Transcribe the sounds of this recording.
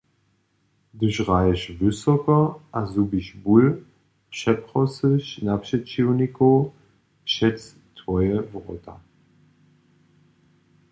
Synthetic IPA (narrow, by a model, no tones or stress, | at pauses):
dyʃʁaɪəʃvʏsɔkɐʔazubiʃbul | pʃɛpʁɔsəʃnapʃɛt͡ʃiuniko | ʃɛt͡s | tʰvɔjəvʁɔta̰